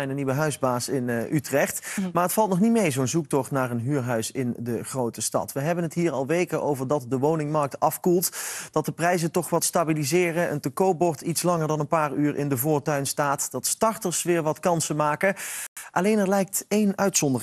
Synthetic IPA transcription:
ɛjnənːiʋəɦœɥzbaːsɪnʔytrɛχtmaːɹɦətfɑlˠt̚nɔχnitmejzownzuk̚tɔχtnaːɹənɦyːɹɦœɥsɪndəχrowtəstɑ̰tʋəɦɛbənɦətɦiːɹɑlˠʋejkənʔo̰wvəɹdɑt̚dəʋownɪŋmɑɹk̚tɑfkulˠtd̥ɑt̚dəprɛjzəntɔχʋɑtstabilizɪːrənʔə̰ntəkowbɔɹtitslɑŋəɹdɑnənpaːɹyːɹʔɪ̰ndəvʊːɹtœɥnstaːtd̥ɑtstɑɹtəɹsʋɪːɹʋɑtkɑnsəmaːkəʔɑlejnɛɹlɛjk̚tejnœɥtsɔndərɪ

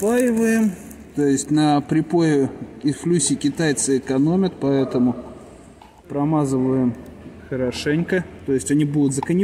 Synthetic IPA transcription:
pajɪvəjɪm | t̪ojɪsʲtʲnəpɾʲɪpojɪɪflʲusʲɪkʲɪt̪ajt̪sɨɪkɐno̞mʲɪt̪pɐɛt̪əmʊ | pɾɐmazɨvəjɪmxəɾɐʂɛnʲkət̪o̞jɪsʲtʲɐnʲibud̪ʊt̪zəkənʲɪ

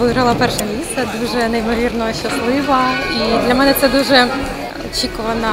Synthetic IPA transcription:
ʋɪɦɾɐlˠɐpɛrʂɐnʲisʲɐd̪uʐɛnɛimɔʋʲirnɔɦɔɕɐslˠɪʋɐid̪lʲɐmɛnɛt̪sɛd̪uʐɛ | ɔt͡ɕikʊʋɐnɐ

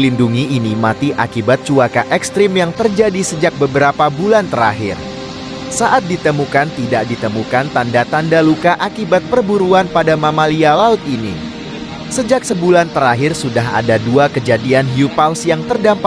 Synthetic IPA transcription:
linduŋiʔːnimat̪iʔa̰kibat̪̚t͡ʃuakaʔɛkst̪ɾɪmjaŋt̪ərd͡ʒadisəd͡ʒak̚bəbəɾapabulant̪əɾa̰ɦɪ̰r | saʔat̪̚dit̪əmukant̪idaʔdit̪əmukant̪andat̪andalukaʔakibat̪̚pərbuɾuanpadamamalialaʊt̪̚ini | səd͡ʒak̚səbulant̪əɾaɦɪrsudaɦa̰daduakəd͡ʒadianɦiupalsjaŋt̪ərdamp

